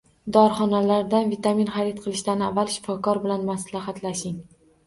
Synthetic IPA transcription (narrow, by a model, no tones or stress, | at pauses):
d̪ɒɾχɒnalaɾd̪anvit̪aminχaɾit̪qʰɨlˠɪʃt̪anavːalˠʃɪ̥fɒkɒɾbɪlanmaslahat̪laʃɪŋ